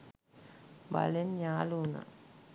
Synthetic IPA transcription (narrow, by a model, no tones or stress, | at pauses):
ba̰lenɲaːluna̰